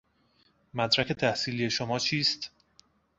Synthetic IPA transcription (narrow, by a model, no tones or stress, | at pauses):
mæd̪ɾækʰe̞t̪ʰæhsiːlije̞ʃomɒːt͡ʃʰiːst̪